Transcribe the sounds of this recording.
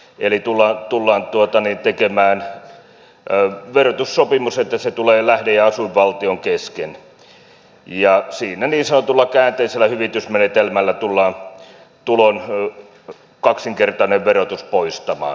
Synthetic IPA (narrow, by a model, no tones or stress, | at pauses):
elit̪ulːɑːnt̪ulːɑːnt̪uot̪ɑniːnt̪ekemæːn | ʋerot̪ussopimuset̪ːæset̪uleːlæhdejɑɑsuiʋʋɑlt̪ioŋkesken | jɑsiːnæniːnsɑnot̪ulːɑkæːnt̪eiselːˑæhyʋit̪ysmenet̪elmælːæt̪ulːɑːn | t̪ulon | kɑksiŋkert̪ɑneʋʋerot̪uspoist̪ɑmɑ̰ː